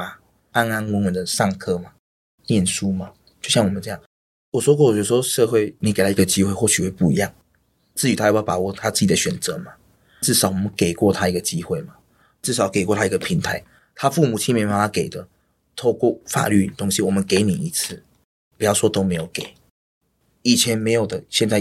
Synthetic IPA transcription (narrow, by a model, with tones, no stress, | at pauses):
a˨ | a˦na˥nwə˧˥nwə˧˦nd̪ə˨ʂɑ˥˩ŋkʰɤ˥ma˨ | njɛ˥˨nʂu˥ma˨ | t͡ɕjo˥˧ʊɕjɑ˥˨ŋwɔ˨˩mə˦ʈ͡ʂɤ˥˧˥jɑ˥˨˩ŋ | wɔ˨˩swɔ˥kwɔ˥˨wɛ˧˩˦ʂwɔ˥ʂɤ˥˧xwe˥˩ɪni˨˩ke˨˩ɪla˧˥˦i˧˥ɡə˨t͡ɕi˦˥xwe˥˧ɪxwɔ˥˩ɕy˨˩xwe˥˧pu˥˧ḭ˧˦jɑ˥˩ŋ | t͡sɹ̩˥˩y˨t̪ʰa˥jjpa˨˩˦wɔ˥˨t̪ʰa˦˥t͡sɹ̩˥˩t͡ɕi˨˩d̪ə˦ɕɥɛ˨˩nt͡sə˧˦ma˨ | t͡sɹ̩˥˩ʂɑ˨˦ʊwɔ˨˩mə˦nke˨˩ɪkwɔ˥˨˧t̪ʰa˥i˧˥ɡə˨t͡ɕi˦˥xwe˥˩ɪma˨ | t͡sɻ̩˥˩ʂɑ˨˩ʊke˨˩kwɔ˥˧t̪ʰa˥i˧˥ɡə˨pʰi˨˧˥ŋt̪ʰa˧˦ɪ | t̪ʰa˦˥fu˥˨mu˨˩t͡ɕʰi˧˥me˧˥pa˨˥na˧˥ke˨˩ɪd̪ə˦ | t̪ʰo˥˧ʊkwɔ˥˩fa̰˨˩ly̰˥˩t̪o˥ŋɕi˧˦wɔ˨˩mə˦nke˧˥ɪni˨˩i˧˥t͡s̩ʰ˥˩ | pu˨˩jɑ˥˩ʊʂwɔ˥t̪o˥ʊme˧˥ɪjo˨˩ʊke˨˩ɪ | i˨˩t͡ɕʰjɛ˧˦nme˧˥ɪjo˨˩ʊd̪ə˨ɕjɛ˥˧nt͡sa˥˧˨